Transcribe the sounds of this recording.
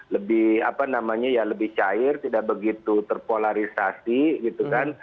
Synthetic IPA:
ləbɪha̰panamaɲajaləbɪht͡ʃaɪrt̪idaʔ̚bəɡit̪ut̪ərpolaɾisasiɡit̪ukan

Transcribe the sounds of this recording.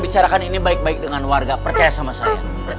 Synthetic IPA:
bit͡ʃaɾakaninibaɪk̚baik̚dəŋanwarɡapərt͡ʃajasamasaja̰

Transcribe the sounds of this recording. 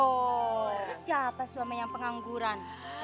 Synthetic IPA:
o | sjapasuamajaŋpəŋaŋɡuɾan

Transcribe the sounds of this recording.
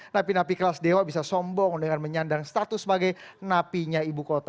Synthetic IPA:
napinap̬ikəlasdewabisasɔmbɔŋdəŋanməɲandaŋst̪at̪ʊsəbaɡajnapiɲaibukot̪a

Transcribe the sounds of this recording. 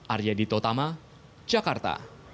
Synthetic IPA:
ʔarjadit̪ɔt̪ama | d͡ʒakart̪a̰

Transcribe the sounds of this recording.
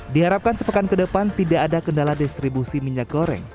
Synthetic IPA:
diɦaɾap̚kansəpəkankədəpant̪idaʔːdakəndaladist̪ɾibusimiɲak̚ɡoɾɛ̰ŋ

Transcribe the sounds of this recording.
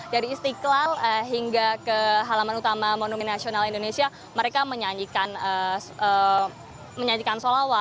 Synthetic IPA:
daɾiːst̪iklaləɦiŋɡakəɦalamanut̪amamonumɛnːasionalindonesia | məɾekaməɲaɲikanəə | məɲaɲikansolawa

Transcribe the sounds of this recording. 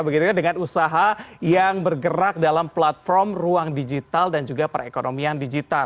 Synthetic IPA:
bəɡit̪ukandəŋanusaɦajaŋbərɡəɾak̚dalamplat̪̚fɔrmruaŋdid͡ʒit̪aldand͡ʒuɡapaɾʔa̰ekonʔomiandid͡ʒit̪al

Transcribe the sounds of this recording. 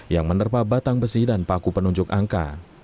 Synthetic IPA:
jaŋmənərpabat̪aŋbəsidanpakupənuɲd͡ʒʊkaŋka̰

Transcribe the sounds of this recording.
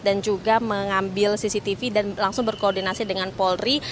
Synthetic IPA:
dand͡ʒuɡaməŋambɪlsisit̪ifidanlaŋsʊŋbərkoːrdinasidəŋanpɔlri

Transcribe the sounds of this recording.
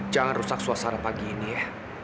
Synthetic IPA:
d͡ʒaŋanrusak̚suasaɾapaɡiːnijah

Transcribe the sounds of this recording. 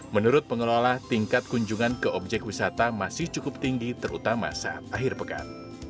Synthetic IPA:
mənuɾʊt̪̚pəŋəlolaht̪iŋkat̪̚kuɲd͡ʒuŋankəʔɔb̚d͡ʒɛk̚wisat̪amasɪht͡ʃukʊp̚t̪iŋɡit̪ərṵt̪ama̰saʔa̰t̪̚aɦɪrpəka̰n

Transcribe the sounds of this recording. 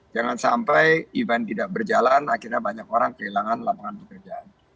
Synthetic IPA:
d͡ʒaŋansampajibant̪idaʔ̚bərd͡ʒalanakirɲabaɲakoɾaŋkəilaŋanlapaŋanpəkərd͡ʒaan

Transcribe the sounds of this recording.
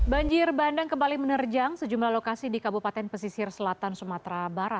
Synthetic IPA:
baɲd͡ʒɪrbandaŋkəmbalimənərd͡ʒaŋsəd͡ʒumlahlokasidikabupat̪ɛnpəsisɪrsəlat̪ansumat̪ɾabaɾat̪̚

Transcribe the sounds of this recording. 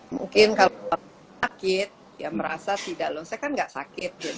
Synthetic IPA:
mṵŋkɪnkala | akɪt̪̚ | ja̰məɾa̰sat̪idalɔsajakanɡaʔsa̰kɪt̪̚d͡ʒʊ

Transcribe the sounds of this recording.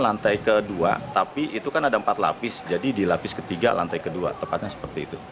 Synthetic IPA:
lant̪ajkədua̰t̪apiit̪ukanadaəmpat̪la̰pɪsd͡ʒadidilapɪskət̪iɡa̰la̰nt̪ajkədua̰t̪əmpat̪̚ɲasə̥pərt̪iːt̪u

